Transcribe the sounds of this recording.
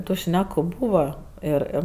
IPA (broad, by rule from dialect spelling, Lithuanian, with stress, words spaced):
tʊ ˈʃʲnʲæːkʊ ˈbuːʋɐ ˈɪr ˈɪr